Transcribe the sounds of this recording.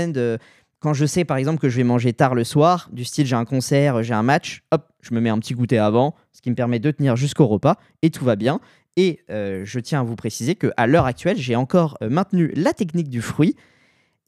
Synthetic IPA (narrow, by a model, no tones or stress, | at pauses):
ɛnd̪ø | kɑ̃ʒəsɛpaʁɛɡzɑ̃p̬ləkəʒəvɛmɑ̃ʒet̪aʁləswaːʁd̪yst̪ilʒeɛ̃kɔ̃sɛʁøʒeɛ̃mat͡ʃɔp̚ʒ̥əməmɛɛ̃pət̪iɡut̪eavɑ̃ | sə̥kʲiməpɛʁmɛd̪ət̪əniʁʒyskoʁəpa | et̪ʰuvabjɛ̃ | eøʒət̪jɛ̃avupχesizekəʔalœʁak̚t̪ɥɛlʒeɑ̃kɔʁømɛ̃t̪nylat̪ɛknik̚d̪yfχɥi